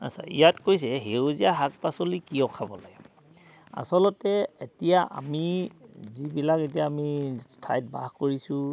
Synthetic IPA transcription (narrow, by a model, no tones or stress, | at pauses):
a̰sʰa̰ḭjatkojsɛɦeozijaɦak̚pasolikijɔkʰabɔlaɡɛ | a̰sɔlɔtɛetijaʔa̰mizibilaket̬ijaːmistʰajt̚bahkoɹisʊ̃